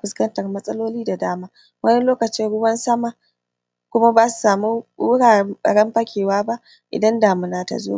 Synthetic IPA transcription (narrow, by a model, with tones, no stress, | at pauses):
kʷʊ˦skɐ˦ntɐ˨rmɐ˦sʼɐ˦loː˦liː˦da˨daː˦maː˦ | wɐ˦nɛ˦loː˦kɐ˨t͡ʃɪ˦ɽʊ˦wɐ˦nsɐ˦ma˨ | kʷʊ˦ma˦baː˦su̥˨saː˨mu˦ʊ˦ɽaː˨˦ɐ̰˨ɽɛ˦mɸɐ˦kʲeː˨waː˦ba˦ʔ | ʔɪ̰˨dɐ˦ndaː˨mɪ˦naː˦ta̰˨zo̰ː˦